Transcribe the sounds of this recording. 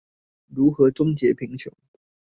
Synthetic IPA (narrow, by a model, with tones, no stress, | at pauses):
ɻu˨˦xɤ˨˦ʈ͡ʂʊ˥ŋt͡ɕjɛ˨˥pʰi˨˥ŋt͡ɕʰjʊ˨˦ŋ